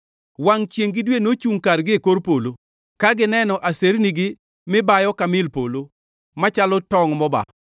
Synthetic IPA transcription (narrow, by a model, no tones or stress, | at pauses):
waŋt͡ʃjeŋɡɪdwenot͡ʃuŋkarɡɪkoɾpolo | kaɡɪnɛnɔʔaseɾnɪɡɪ | mɪbajɔkamɪlpolo | mat͡ʃalɔtɔŋmɔba̰